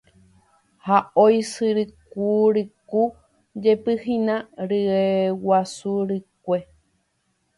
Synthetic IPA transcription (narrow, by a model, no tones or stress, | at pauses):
haojsɨɾɨk̚uɾɨku | d͡ʒepɨhinãɾɨewasuɾɨkʷe